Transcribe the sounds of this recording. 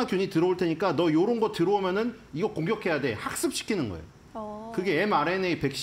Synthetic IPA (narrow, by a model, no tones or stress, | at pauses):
akjuɲitɯɾʌoɭtʰeɲik͈anʌjoɾonɡʌtɯɾoomjʌnɯn | iɡʌkoŋɡjʌkʰe̞jade̞hak̚s͈ɯp̚ɕ͈i̥kʰinɯnɡʌ̰ḛjoo | kɯɡe̞ːmaɾe̞neipe̞k̚ɕ͈